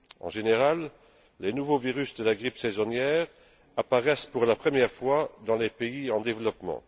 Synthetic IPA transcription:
ɑ̰̃ʒeneʁalː | enuvoviʁysd̪əlaɡʁipsɛzɔnjɛːʁ | apaʁɛspuʁlapχəmjɛʁfwad̪ɑ̃lepeiɑ̃d̪evlɔpmɑ̰̃

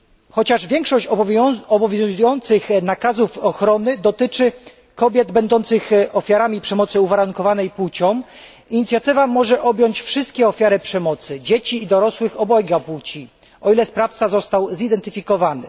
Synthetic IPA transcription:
xɔt͡ɕaʐvʲjɛŋkʂɔɕt͡ɕɔbɔvʲjuujɔnt̪sɘxnakazufɔxɾɔnɘd̪ɔt̪ɘt͡ʂɘ | kɔbʲjɛd̪bɛnd̪ɔnt̪sɘxɔfʲjaɾamʲipʂɛmɔt̪sɘuvaɾauŋkɔvanɛjput͡ɕɔ̃w̃ | iɲit̪sʲjat̪ɘvamɔʐɛʔɔbʲjɔɲt͡ɕfʂɘst̪kʲɛɔfʲjaɾɘpʂɛmɔt̪sɘd͡ʑet͡ɕiːd̪ɔɾɔswɘxɔbɔjɡaput͡ɕi | ɔilɛspɾaft̪sazɔst̪awzid̪ɛnt̪ɘfʲikɔvanɘ̰

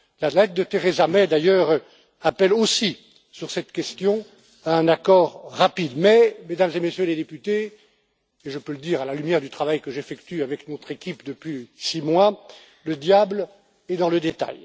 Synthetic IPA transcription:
lalɛt̪̚d̪ət̪eʁezamɛd̪ajœʁ | apɛlosi | syʁsɛt̪kʲɛst̪jɔ̃ | aɛ̃nakɔʁːapid̪mɛmed̪amzemesjøled̪epyt̪eː | ʒəpøləd̪iːʁalalymjɛʁd̪yt̪χavajkəʒefɛkt̪yavɛknɔt̪χekʲipd̪əpɥisimwa | ləd̪jabl | ɛd̪ɑ̃ləd̪et̪a̰j

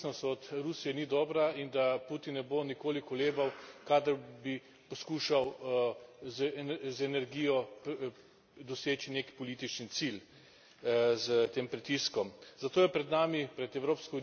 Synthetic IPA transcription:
nɔst̪ɔt̪ɾusijɛnid̪ɔːbɾaind̪aput̪innɛbonikoːlikɔleːbawkaːd̪ɐɾbi | pɔskuːʃaw | zzɛnɛɾɡiːjɔp | d̪ɔseːt͡ʃinekpɔliːt̪it͡ʃnit̪sil | zət̪eːmpɾit̪iskɔmz̥at̪oːjɛpɾɛd̪naːmipɾɛt̪ɛwɾoːpskɔ

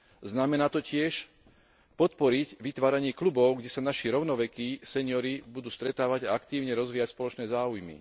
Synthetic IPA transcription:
znamɛnaːt̪ɔcɪɛʃ | pɔt̪pɔɾiɟʋit̪ʋaːɾaɲɪɛklubɔʊɡɟɛsanaʃiɾɔʊnɔʋɛkisɛɲɪɔɾibud̪uːst̪ɾɛt̪aːʋaɟaakt̪iːʊɲɛɾɔzʋiːjacspɔlɔt͡ʃnɛːzaːujmḭ

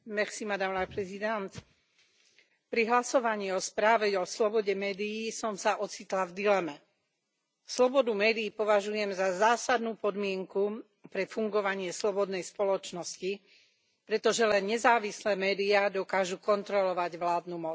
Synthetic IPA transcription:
mɛxsimad̪amnapɾɛzid̪ɛnt̪ | pɾiɦlasɔʋaɲiːɔspɾaːʋɛɔslɔbɔɟɛmɛːd̪ijiːsɔmsaʔɔt͡sit̪lavd̪ilɛmɛ | slɔbɔd̪umɛːd̪iːpɔʋaʒujɛmzazaːsad̪nuːpɔd̪mɪɛŋku | pɾɛfuŋɡɔʋaɲɪɛslɔbɔd̪nɛjspɔlɔt͡ʃnɔsci | pɾɛt̪ɔʒɛlɛnɲɛzaːʋislɛːmɛːd̪iad̪ɔkaːʒukɔnt̪ɾɔlɔʋaɟʋlaːd̪numɔ

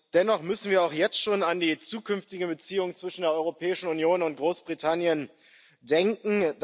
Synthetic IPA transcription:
d̥ɛnɔχmʏsn̩viːɐaʊxjɛt͡stʃoːnandiːt͡suːkʰʏnftɪɡəbət͡siːʊŋt͡sv̥ɪʃn̩deːɐʔɔʏʁopʰɛːɪʃn̩unjoːnʊnt̚ɡ̥ʁoːsb̥ʁitʰanjən | dɛŋkŋ̩d

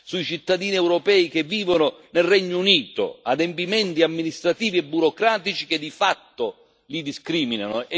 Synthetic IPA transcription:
suit͡ʃit̪ːad̪iːniɛwɾopɛːik̟evːiːvonʊnelrɛɲːouniːt̪o̰ad̪empimɛnt̪iamːinist̪ɾat̪iːviɛbːuɾɔkɾaːt̪it͡ʃik̟ed̪ːifat̪ːo | lid̪iskɾiːminanʊɛ

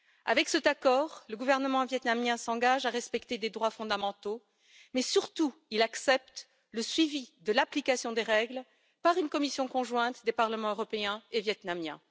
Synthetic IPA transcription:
a̰vɛksɛt̪akɔːʁləɡuvɛʁnəmɑ̃vjɛt̪namjɛ̃sɑ̃ɡaʒaʁɛspɛkt̪ed̪ed̪ʁwafɔ̃d̪amɑ̃t̪o | mɛsyʁt̪uilaksɛpt̪ | ləsɥivid̪əlaplikasjɔ̃d̪eʁɛɡl | paʁynkɔmisjɔ̃kɔ̃ʒwɛ̃t̪d̪epaʁləmɑ̃øʁɔpeɛ̃evjɛt̪namjɛ̃

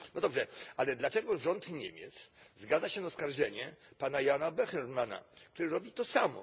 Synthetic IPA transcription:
nɔd̪ɔbʐɛalɛd̪lat͡ʂɛɡɔʐɔnt̪ɲḛmʲjɛ̰t̪szɡad̪zaɕɛnaskaɾʐɛɲɛpanajanabɛxɛɾmana̰k̚t̪uɾɘɾɔbʲit̪ɔsamɔ̰

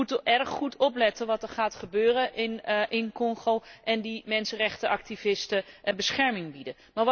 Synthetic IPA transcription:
utəʔɛrχχutʰɔplɛtəʋɑtɛɹχaːtχəbøːrəʔɪnʔɪnkɔŋχowʔɛndimɛnsənrɛχtəʔɑktivɪstəbəsχɛɹmɪŋbidə | maːɹʋ

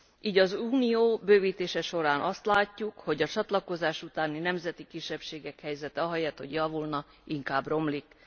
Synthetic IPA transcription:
iːɟɒzuːnijoːbøːviːt̪eːʃɛʃo̞ɾaːnʔɒst̪laːcːukho̞ɟɒt͡ʃɒt̪lɒko̞zaːʃut̪aːninɛmzɛt̪ikiʃːɛpʃeːɡɛkhɛjzɛt̪ɛɒɦɒjɛt̪ho̞̰ɟjɒvulnɒ | iŋkaːbro̞mlik

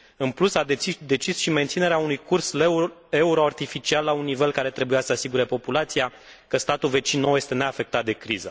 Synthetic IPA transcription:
ɨnplusadd̪e̞t͡ʃisʃiment̪sine̞ɾeaunujkurse̞uɾo̞art̪ifit͡ʃialːaunːive̞lkaɾe̞t̪ɾe̞bujasəasiɡuɾe̞po̞pulat̪sija | kəst̪at̪ulve̞t͡ʃinːowje̞st̪e̞ne̞afe̞k̚t̪at̪̚d̪e̞kɾizə

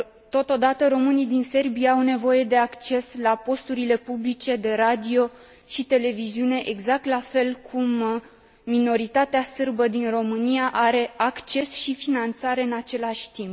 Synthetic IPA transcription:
t̪o̞t̪o̞d̪at̪əɾo̞mɨnijd̪inse̞rbijaawne̞vo̞je̞d̪e̞akt͡ʃe̞slapo̞st̪uɾile̞publit͡ʃe̞d̪e̞ɾad̪io̞ | ʃit̪e̞le̞viziune̞ʔeɡzak̚t̪lafe̞lkʰumː | ino̞ɾit̪at̪easɨrbəd̪inro̞mɨnijaʔaɾe̞akt͡ʃe̞sʃifinant̪saɾe̞ɨnat͡ʃe̞laʃʲt̪imp

